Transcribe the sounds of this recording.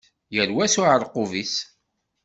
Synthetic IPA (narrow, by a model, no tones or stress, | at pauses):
jəɾwæsʊʕəɾˤqʊvis